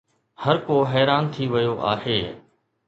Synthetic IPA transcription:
hɐɾkoːɦɛːɾaːnt̪ʰiʋɐjoʔa̰ːheː

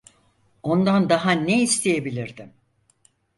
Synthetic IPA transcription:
o̞nd̪and̪aɦaneist̪ʰejebilʲiɾd̪im

